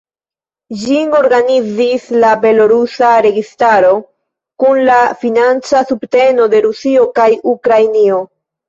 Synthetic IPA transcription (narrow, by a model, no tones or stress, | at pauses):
d͡ʒiŋo̞ɾɡanid͡zislabe̞lo̞ɾusaɾe̞ɡistaɾo̞ | kunlafinant͡sasubte̞no̞de̞ɾusio̞kajukɾajnio̞